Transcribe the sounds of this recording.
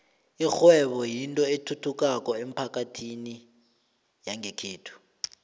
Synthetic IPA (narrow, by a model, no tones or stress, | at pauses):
ixwɛɓɔjintʼɔetʰutʰuk̬ʼakɔem̩pʰak̬ʼatʰini | jaŋɛkʰeːtʰu̥